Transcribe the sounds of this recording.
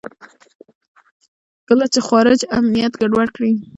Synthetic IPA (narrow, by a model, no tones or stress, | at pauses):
kəlat͡ʃexɑɾɪd͡ʒamnijat̪ɡaɖwaɽkɽi